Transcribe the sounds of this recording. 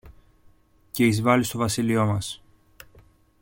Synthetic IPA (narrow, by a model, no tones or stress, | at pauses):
ce̞izvɐlist̪o̞vɐsilio̞mɐs